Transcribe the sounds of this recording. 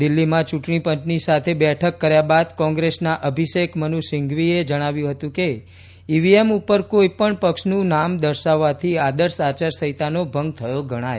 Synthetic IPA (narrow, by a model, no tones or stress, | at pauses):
d̪ɪlːimãt͡ʃuʈɳipə̃ɲt͡ʃnisat̪ʰebɛʈʰəkːəɾjabad̪kɔ̃ŋɡɾesnaʔəbʱiʃekmənuʃɪ̃ŋɡʋied͡ʒəɽ̃aʋjũɦət̪ũke | iʋiemupəɾkoipəɳpəkʃnũnamd̪əɾʃaʋːat̪ʰiad̪əɾsat͡ʃaɾsəɦit̪anobʱəŋɡ̚t̪ʰəjoɡʱəɽ̃aj